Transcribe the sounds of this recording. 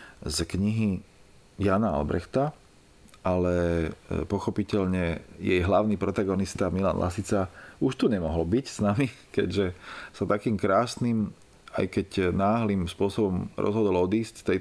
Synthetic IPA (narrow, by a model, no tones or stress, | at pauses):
zkɲiɦi | jaːnaa̰lbɾɛ̰xt̪a | ʔalɛpɔxɔpicɛʎɲɛjɛjɦlaʊniːpɾɔt̪aɡɔnist̪amila̰nlʔa̰sit͡sauʃt̪uɲɛmɔɦɔlbicsnamikɛ̰ɟʒɛsat̪akiːmkɾaːsnim | a̰jkɛɟnaːɦlimspʊɔsɔbɔmɾɔ̰zɦɔd̪ɔlɔd̪iːscst̪ɛj